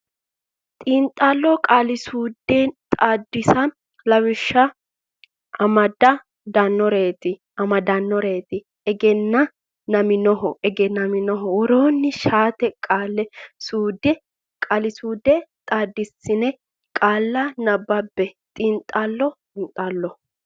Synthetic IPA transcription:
t̪ʼiːnt̪ʼaːlːɔkʼaːlɪsuːd̪ɛt̪ʼaːd̪ːɪsɐ | lɐwɪʃːɐ | ɐmɐd̪ɐ | d̪ɐnːɔɾe̞ːt̪ɪ | ɐmɐd̪ɐnːɔɾeːt̪ɪ | ɛɡɛnːɐ | nɐmɪnɔɦɔʔɛɡɛnɐmɪnɔɦɔwɔɾoːnːɪʃaːt̪ɛkʼaːlːɛsuːd̪ɛ | kʼalɪsuːd̪ɛt̪ʼaːd̪ːɪsːɪnɛ | kʼaːlːɐnɐbːɐbːɛt̪ʼɪnt̪ʼalːɔtʼɪnt̪ʼaːlːɔ

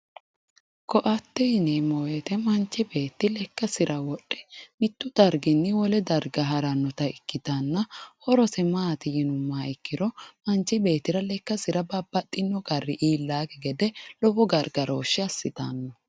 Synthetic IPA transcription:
kɔʔɐt̪ːɛnemɔweːt̪ɛmɐnt͡ʃːɪbe̞ːt̪ːɪlɛkːɐsɪɾʔɐwɔɗːɛmɪt̪ːʊd̪ɐɾɡɪnːɪwɔlɛd̪ɐɾɡɐɦɐɾɐnːɔt̪ɐɪkːɪt̪ɐnːɐhɔɾɔsɛmaːt̪ɪjɪnʊmːaːɪkːɪɾɔmɐnt͡ʃːɪbe̞ːt̪ːɪɾɐlɛkːɐsɪɾɐbɐbːɐt̪ʼːɪnːɔɡɐrːɪʔiːlːaːkɛɡɛd̪ɛlɔbɔɡɐɾɡɐɾʔoːʃːɪɐsːɪt̪anːɔ

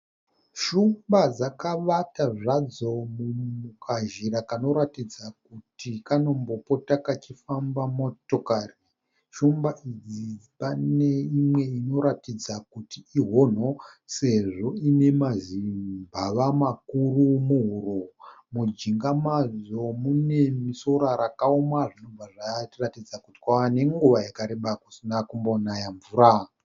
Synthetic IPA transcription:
ʃumbad͡zakaʋataʐad͡zo̞mumukʰaʒiɾakano̞ɾatid͡zakutʰikano̞mbo̞po̞takat͡ʃifambamo̞to̞kari | ʃumbaʔid͡zi | pane̞imwe̞ino̞ɾatid͡zakutiiɦo̞n̤o̞se̞ʐo̞ine̞mazimbʱaʋamakurumuɦuɾomud͡ʒiŋɡamad͡zo̞mune̞miso̞ɾaɾakaomaʐino̞vaʐaratid͡zakuti̥kwaane̞ŋɡuʋajakaɾeɓakusinakumbonajaɱvuːɾa

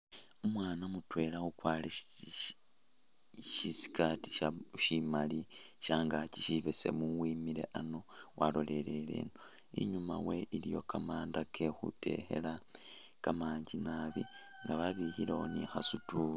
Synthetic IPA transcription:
omwaːnamutwe̞ːlaxukwaːle | ʃisi̥kʰati̥aʃimaliʃaːŋɡaciʃiβese̞̰muwiːmiɾe̞̰ʔano̞wʔalo̞le̞le̞lḛːno | ḭɲuma̰we̞ʔilijo̞̰kamaːndakʰe̞xṵte̞̰xe̞̰la | kamaːɲɟinaβḭ | ŋɡaβaβihileonixa̰sutuː

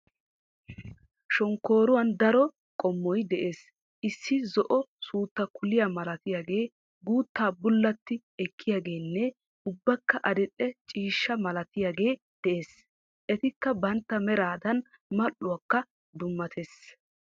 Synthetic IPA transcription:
ʃɔŋkːo̞ːɾʊwɐnd̪ɐɾɔ | kʼɔmːɔjd̪ɛʔe̞ːs | ʔɪsːɪzɔʔɔsuːt̪ːɐkʊlɪjamɐlɐt̪ɪjaɡe̞ː | ɡuːt̪ːaːbʊlːɐt̪ːɪ | ɛkʰːɪjaːɡe̞ːnːɛ | ʊbːɐkːɐʔɐd̪ɛtʼːɛt͡ʃʼiːʃːɐmɐlɐt̪ɪjaɡe̞ː | d̪̥ɛʔe̞ːs | ʔɛt̪ɪkːɐbɐnt̪ːɐmɛɾaːd̪ɐn | mɐʔːʊwɐkːɐ | d̪ʊmːɐt̪ʰes

